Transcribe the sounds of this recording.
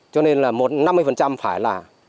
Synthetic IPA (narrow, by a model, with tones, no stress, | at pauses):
t͡ɕɔ˧ne˧nlaː˨˩mo˨˩t̚na˧mːɨ˧jfə˨˩nt͡ɕa˧mfaː˧˩˦jlaː˨˩